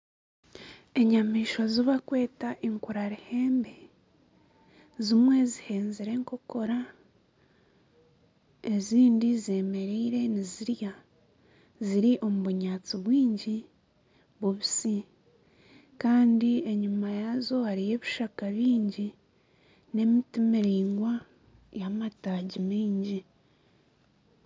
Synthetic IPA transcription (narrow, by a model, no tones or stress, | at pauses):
e̞ɲamiːʃoziβakwe̞ːtaʔiŋkuɾaɾihe̞ːmbe̞ | zimwe̞zihe̞ːnziɾe̞ːŋko̞ko̞ɾa | e̞ziːndize̞ːme̞ɾiːɾe̞niziɾja | ziɾiʔo̞muβuɲaːt͡siβwiːɲɟi | βuβisi | kaːndie̞ɲumajazo̞haɾije̞βiʃakaβiːɲɟi | ne̞mitimeɾiːŋɡwa | jamataːɟimiːɲɟi